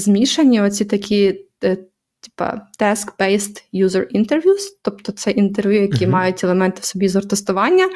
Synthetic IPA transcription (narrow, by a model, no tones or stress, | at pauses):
zmʲiʃɐnʲːiɔt͡sʲit̪ɐkʲʰi | tʲi̥pɐ̰t̪ɛskbɛjst̪juzɐrint̪erʋʲjust̪ɔpt̪ɔt̪sɛʔint̪erʋʲjujɐkʲimɑjʊtʲɛlˠemɛnt̪ɪwsɔbʲizɔrt̪est̪ʊʋɑnʲːɐ